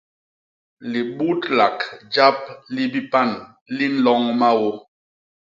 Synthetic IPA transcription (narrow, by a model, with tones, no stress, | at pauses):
li˨ɓu˦tla˨kd͡ʒa˦p̚li˦bi˦pa˦˨n | li˦n̩˦lɔ˦ŋma˦wo˦